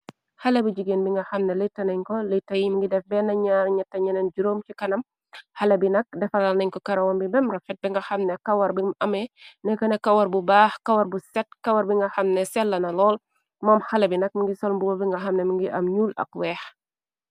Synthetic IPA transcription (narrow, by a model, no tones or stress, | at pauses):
hɐlɐbiɟiɡeːnbiŋɡɐxɐmnɛlitːɐnɛɲkɔlitːɐjimiŋɡidɛfbɛnɐɲaːɾɲɐtːɐɲɐnɛnɟuɾoːmcikɐnɐm | hɐlɐbinɐk̚dɛfɐlɐlnɐɲkɔkɐɾɐwɐmbibɛmrɐfɛt̚biŋɡɐxɐmnɛkɐwɐɾbimʔɐmɛnɛkɐnɐkːɐwɐɾbubaːxkɐwɐɾbusɛt̚kɐwɐɾbiŋɡɐxɐmnɛsɛlːɐnɐlɔːl | mɔːmxɐlɐbinɐk̚miŋɡisɔlmbuwɔbiŋɡɐxɐmnɛmiŋɡiʔɐmɲuːlɐ̰k̚wɛːx